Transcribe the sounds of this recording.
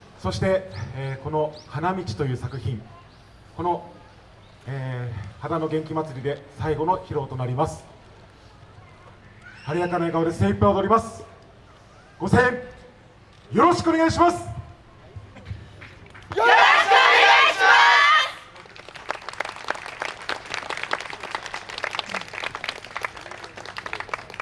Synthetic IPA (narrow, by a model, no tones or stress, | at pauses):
so̞ɕi̥t̪e̞ko̞no̞hanamʲit͡ɕi̥t̪o̞jɯ̟ːsakɯ̟çĩŋ | ko̞no̞ | eːhad̪ano̞ɡẽ̞ŋk̬ʲimat͡sɨɾʲid̪e̞saiɡo̞no̞çiɾo̞ːt̪o̞naɾʲimasɨ̥ | haɾʲijakanaiɡaβod̪e̞seːipːaiod̪o̞ɾʲimasɨ̥ | ɡ̥o̞sẽ̞ŋ | jo̞ɾo̞ɕi̥kɯoneɡaiɕimasɨ̥